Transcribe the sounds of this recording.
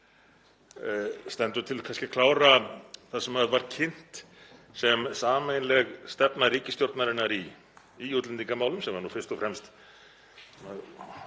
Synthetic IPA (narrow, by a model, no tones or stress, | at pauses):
st̪ɛnt̪ʏt̪ʰɪlkʰanscɪkʰlaːwɾaθaðsɛmaðvaɾ̥cʰɪn̥t̪ | sɛmsaːmejnlɛɣst̪ɛpnariːcɪst̪jowɾt̪naɾɪnːaɾi | ijut̪lɛnt̪iŋkamaːwlʏmsɛmvaɾnufɪrst̪ɔfɾɛmst̪ | a